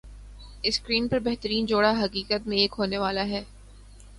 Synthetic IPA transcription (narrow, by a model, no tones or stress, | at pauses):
ɪskɾiːnpɐɾbɛɦt̪əɾiːnd͡ʒoːɽaɦɐkiːkət̪mẽeːkɦoːneʋaːlaɦɛː